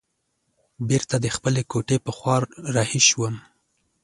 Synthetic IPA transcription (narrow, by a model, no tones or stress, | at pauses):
beɾt̪ad̪əxpəlekoʈepəxwɑɾɾɑhiʃwəm